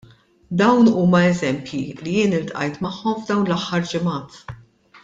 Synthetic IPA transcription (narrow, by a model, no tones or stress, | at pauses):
d̪ɐwnuːmɐɛzɛmpjilijɪːnɪlt̪ʔɐ̰jt̪mɐħːɔmvd̪ɐwnlɐħːɐɾd͡ʒɪmɐːt̪